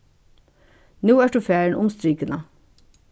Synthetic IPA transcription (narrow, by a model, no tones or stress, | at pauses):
nuːæːʈ̚ɖ̪ʉːfæːəɳ̩ʔʊmst̪ɾiːkənɑ